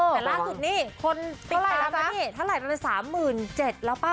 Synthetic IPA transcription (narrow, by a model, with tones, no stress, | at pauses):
ɛː˨˩laː˥˩˨su˨˩t̪̚niː˦˥˩kʰo˧nt̪i˧˦˧a˨˩˨a˧˦˥a˧˦˥i˥˩t̪ʰa˥˩ɾa˨˩ja˧la˧˩jsaː˩˦mːɯː˨˩nt͡ɕe˨˩t̪̚laː˦˩wpaː˧˩